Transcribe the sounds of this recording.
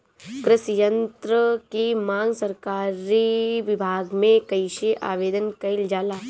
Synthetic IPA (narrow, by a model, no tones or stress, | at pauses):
kɾɪsjə̃nt̪ɾəkimãːŋɡsɐɾkaːɾiʋɪbʱaːɡmẽkɐɪʃeʔa̰ːʋeːd̪ənkɐɪld͡ʒaːlaː